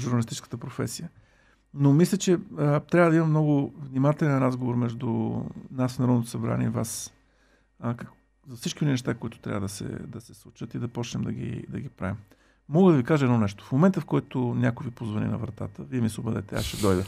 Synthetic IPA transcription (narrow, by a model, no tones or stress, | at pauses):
ʒʊɾnɐlist̪it͡ʃɛ̥skət̪əpɾofɛ̰sijə | nomislʲət͡ʃɛət̪ɾʲavəd̪ɐimɐmnɔɡʊvnimat̪ɛlɛnɾazɡovoɾmɛʒd̪ʊnasnɐɾɔd̪nt̪osɐbɾa̰nʲiɛ̰ivas | k | zɐfsit͡ʃkʲioninɛʃ̬t̪akoit̪ʊ̥t̪ɾʲa̰vəd̪əsɛ̰d̪ɐsɛslˠut͡ʃət̪id̪ɐpɔt͡ʃnɛmd̪ɐɡʲḭd̪ɐɡʲipɾa̰vim | mɔɡəd̪ɐvikaʒəɛd̪nɔnɛʃt̪o̥fmomɛnt̪əfkɔjt̪ʊnʲakʊjvipozvɐnḭnɐ̰vɾɐt̪a̰t̪əviɛmisˠobəd̪ɛ̰t̪ɛ̰a̰ʃɛd̪ɔjd̪ə